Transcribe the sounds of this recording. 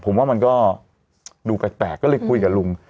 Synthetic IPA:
pʰo˨˦mwaː˥˩ma˧nkɔː˥˩ | duː˧pɛː˨˦˩t̚p̪ɛː˨˩kːɔː˥˩lːɤ˧˦jkʰu˧jkaː˨˩lu˧ŋ

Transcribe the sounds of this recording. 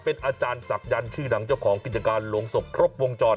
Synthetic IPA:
pe˧nʔaː˧t͡ɕaː˧nsa˨˩k̚ja˧nt͡ɕʰɯː˥˩na˩˦ŋt͡ɕa˥˩wkʰɔː˩˦ŋki˨˩t̪̚t͡ɕa˧kaː˧nlo˧ŋso˨˩p̚kʰɾo˦˥pp̚wo˧ŋt͡ɕɔː˧˩n

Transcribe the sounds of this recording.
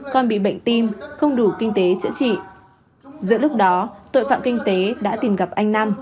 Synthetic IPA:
kɔ˧nɓḭ˧˨ɓə̰˧˨jŋ̟t̪i˧mxə˧wŋ͡mɗu˧˩kï˧ŋ̟t̪e˨˦t͡ɕɨ̰˧˥t͡ɕḭ˧˨ | zɨ̰˧˨əlʊ˦˥k͡p̚ɗɔ˨˦t̪o̰˧˨jfa̰ː˧˨mkï˧ŋ̟t̪e˨˦ɗa̰ː˧˥t̪i˨˧˩mɣa˨˩p̚ʔa˧jŋ̟na˧m

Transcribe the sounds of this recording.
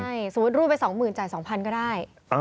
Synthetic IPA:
a˥˩jsuː˩˦t̪̚ɾuː˥˩pa˧jsɔː˩˦ŋmɯː˨˩nt͡ɕaː˨˩jsɔː˩˦ŋpʰa˧nkɔː˥˩daː˥˩j | ʔ

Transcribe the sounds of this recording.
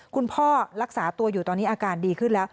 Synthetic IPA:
kʰu˧npʰɔː˥˩ɾa˦˥k̚saː˩˦t̪u˧ɐjuː˨˩ɔː˧nːiː˦˥ʔaː˧kaː˧ndiː˧kʰɯ˥˩nlɛː˦˥w

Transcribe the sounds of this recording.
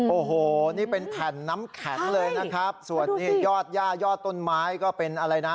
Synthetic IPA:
ʔoː˨˩ɦoː˨˩niː˥˩pe˧nt̪ʰɛː˨˩nːa˦˥mkʰɛ˩˦nlɤː˧jna˦˥kʰɾa˦˥p̚su˨˩ənːiː˦˥˩jɔː˥˩t̪̚jaː˥˩jɔː˥˩t̪ːo˥˩nmaː˦˥jkɔː˥˩pe˧nʔa˧ɾa˧jna˦˥

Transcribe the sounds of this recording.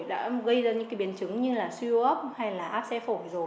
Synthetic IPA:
ɗa̰ː˧˥ɣə˧jzaː˧˩ɲɨ̰˧˥kːɓi˨˩ənt͡ɕɨ˨˦ŋɲɨ˧laː˨˩si˧o˧ʔəː˦˥p̚ha˧jlaː˨˩ʔaː˦˥p̚sɛ˧fo˧˩jzo˨˩j

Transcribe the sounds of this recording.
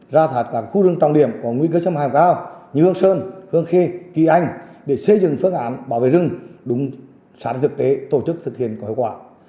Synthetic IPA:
zaː˧t̪ʰaː˨˩t̚kaː˦˥kxu˧zɨ˧əŋt͡ɕɔ˨ŋ͡mɗi˧˩əmkɔ˨˦ŋwi˧kəː˧t͡ɕa˧mhaː˨˩mkaː˧˩wɲɨ˧hɨ˧əŋsəː˧nhɨ˧əŋxe˧kḭ˧˩ʔa˧jŋ̟ɗe˧˩sə˧jzɨ̰˨˧˩ŋfɨ˧əŋʔaː˨˦nɓaː˧˩wvḛ˧˨zɨ˧ŋɗʊ˨˦ŋ͡m | saː˧˦˥nt̪ʰɨ˨˩k̚t̪e˨˦t̪o˧˩t͡ɕɨ˦˥k̚t̪ʰɨ˨˩k̚hḭ˧˨ənkhi˧˨wkwaː˧˩

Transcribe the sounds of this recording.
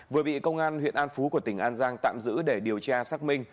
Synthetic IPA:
vɨ˨˩əɓḭ˧˨kə˧wŋ͡mʔaː˧nhwḭ˧˨ənʔaː˧nfu˨˦ku˧˩ət̪ï˧˩ŋ̟ʔaː˧nzaː˧ŋt̪a̰ː˧˨mzɨ̰˧˥ɗe˧˩ɗi˨˩əwt͡ɕaː˧saː˦˥k̚mï˧ŋ̟

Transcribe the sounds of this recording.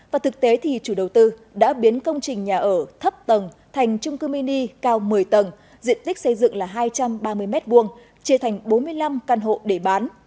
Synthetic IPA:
vaː˨˩t̪ʰɨ˨˩k̚t̪e˨˦t̪ʰi˨˩t͡ɕu˧˩ɗə˨˩wt̪ɨ˧ɗa̰ː˧˥ɓi˨˦ənkə˧wŋ͡mt͡ɕï˨˩ŋ̟ɲaː˨˩ʔəː˧˩t̪ʰə˦˥p̚t̪ə˨˩n | t̪ʰa˨˩jŋ̟t͡ɕʊ˧ŋ͡mkɨ˧mi˧ni˧kaː˧wmɨ˨˩əjt̪ə˨˩n | zḭ˧ənt̪i˦˥k̟̚sə˧jzɨ̰˧˨ŋlaː˨˩ɦaː˧jt͡ɕa˧mɓaː˧mɨ˧əjmɛ˦˥t̚vu˧˩əŋ | t͡ɕi˧˩ət̪ʰa˨˩jŋ̟ɓo˨˦nmɨ˧əjla˧mkaː˧nɦo̰˧˨ɗe˧˩ɓaː˨˦n

